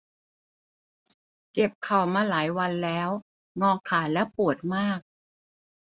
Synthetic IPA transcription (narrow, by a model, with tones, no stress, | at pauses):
t͡ɕe˨˩p̚kʰa˨˩wmaː˧laː˩˦jwa˧nlɛː˦˥w | ŋɔː˧kʰaː˩˦lɛ˦˥pu˨˩ət̪̚maː˥˩k̚